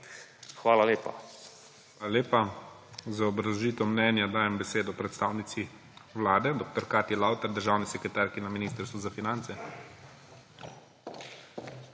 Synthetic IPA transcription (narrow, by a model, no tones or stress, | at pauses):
xʋaːlaleːpa̰ | ʋalaleːpa | zaɔbɾaʒiːt̪ɔmnɛːnjad̪aːjɛmbɛseːd̪ɔpɾɛt̪st̪aːwnit̪si | wlaːd̪ɛd̪oːkt̪ɔɾkaːt̪jɛlaːwt̪ɛɾd̪əɾʒaːwnisɛkɾɛt̪aːɾkinaminiːst̪əɾst̪ʋuzafinant̪sɛ